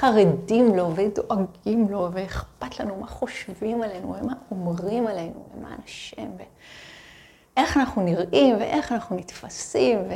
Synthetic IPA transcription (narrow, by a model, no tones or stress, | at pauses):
aʁedimlo̞vedo̞ʔaɡimlo̞veeχpatlanumaχo̞ʃvimale̞jnṵvemaomʁimale̞jnṵvḛma̰ːnaʃimve | ʔe̞χanaχnuniʁimvḛʔeχanaχnunitfasimve